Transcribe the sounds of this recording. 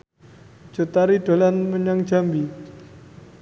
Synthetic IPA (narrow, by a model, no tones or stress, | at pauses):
d͡ʒ̥o̤t̪aɾiɖ̥o̤lanməɲaŋ̥d͡ʒambi